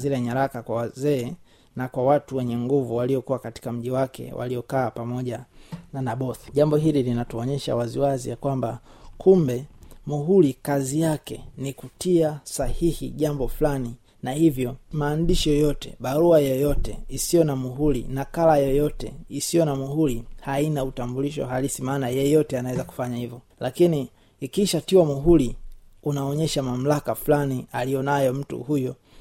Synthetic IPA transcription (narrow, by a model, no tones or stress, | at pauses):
ziɾaɲaɾakakwawazɛː | nakwawatuwɛɲɛŋɡuvuwaliɔkuwakati̥kam̩ʄiwakɛ̰wʔa̰lijɔkaːpamɔʄananaɓɔθi̥ʄambɔɦililinatuɔɲɛʃa̰waziwazḭjakwambakʰumbɛmuɦulikazijakɛ̰nikutiasahihḭʄambɔflani | nahivjɔmaːndiʃijɔjɔtɛ̰ɓaɾuajɔjɔtɛisijɔnamuɦulḭnakalajɔjɔtɛ̰isijɔnamuhulihainautambuliʃɔ̰ɦalisimaːnajɛjɔtɛanawɛzaku̥faɲahivɔ | lakiniː | kiʃatiwamuɦuliunaɔɲɛʃamam̩lakaflanialijɔnajɔm̩tṵhujɔ